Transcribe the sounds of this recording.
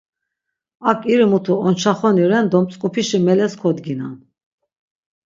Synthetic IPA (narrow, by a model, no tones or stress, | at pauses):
akʼiɾimut̪ʰuɔnt͡ʃʰaχɔniɾɛnd̪ɔmpt͡sʼkʼupʰiʃimɛlɛskʰɔd̪ɡina̰n